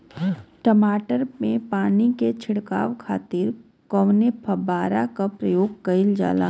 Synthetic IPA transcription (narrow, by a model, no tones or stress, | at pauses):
ʈəmaːʈəɾmẽpaːniket͡ʃʰɪɽka̰ːʋkʰaːt̪ɪɾ | kɔʋnepʰɐbaːɾakapɾəjoːɡ̚kɐɪld͡ʒa̰ːla̰ː